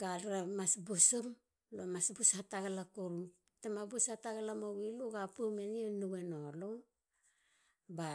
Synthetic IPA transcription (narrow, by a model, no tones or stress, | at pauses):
ɡalɾamasbusum | lomasbusataɡalakoɾum | tamabusataɡalamowiluɡapumenienuɡenolo | ba